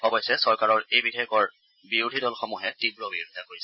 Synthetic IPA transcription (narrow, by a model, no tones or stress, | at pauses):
ɔbɔjsɛsɔɹkaɹɔɹejbidijɔkɔɹ | biɹudʱidɔlxɔmuɦɛtibɹɔbiɹudʱiakoɹisɛ